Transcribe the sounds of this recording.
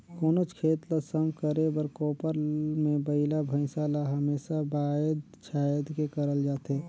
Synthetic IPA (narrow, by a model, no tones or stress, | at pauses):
koːnot͡ʃkʰeːt̪lasəmkəɾebəɾkoːpəɾmẽbəɪlabʱə̃ɪ̃saːlaɦəmeːsabaːəd̪ | t͡ʃʰaːjəd̪kekəɾəld͡ʒaːt̪eː